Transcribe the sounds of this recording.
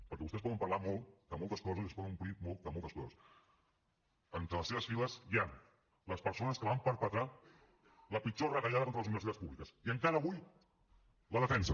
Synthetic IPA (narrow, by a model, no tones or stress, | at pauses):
pəɾkɛβust̪ɛspɔðəmpəɾlamɔlˠt̪d̪əmɔlˠt̪əskɔzəziəspɔðənumpɾimɔlˠt̪̚d̪əmɔlˠt̪əskɔzəs | ənt̪ɾələseβəsfiləsjan | ləspəɾsonəskəβampəɾpət̪ɾa | ləpit͡ʃorət̪əʎaðəkonɾələzuniβəɾs̬it̪at͡sspuβlikəsiəŋkaɾəːβuj | ləðəfɛnsə